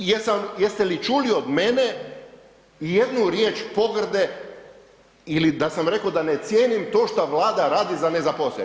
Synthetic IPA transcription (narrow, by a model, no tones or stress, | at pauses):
jesamjest̪elit͡ʃuːlio̞d̪mene | ije̞d̪nuɾjeːt͡ʃpo̞ɡr̩d̪e̞ | ilid̪asamɾe̞kod̪anet̪sje̞ːnimt̪o̞ːʃt̪aʋlˠaːd̪aɾaːd̪izane̞zaposle